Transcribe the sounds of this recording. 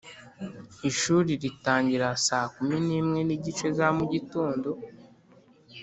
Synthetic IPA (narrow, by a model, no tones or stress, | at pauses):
iʃuːɾiɾitaːɲɟiɾasaːkuminiːmŋe̞niɟit͡ʃe̞zamuɟitoːndo̞